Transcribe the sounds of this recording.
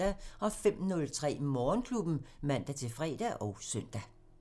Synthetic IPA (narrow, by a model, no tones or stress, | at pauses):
æɒ̽fem̰nɔ̽lt͡sʰʁɛ̰ːmɒːnkʰlub̥n̩mæn̰d̥æt͡sʰe̝fʁɛ̰ːd̥æʔɒ̽ʊsœn̰d̥æ